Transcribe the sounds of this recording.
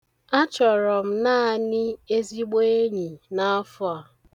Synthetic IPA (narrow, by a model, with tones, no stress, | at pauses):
a˦t͡ʃɔ˨ɾɔ˨m̩˨na˦a˦˨nɪ˦e˦zi˦ɡ͡be˦e˦ɲi˨na˦a˦fʊ˦a˨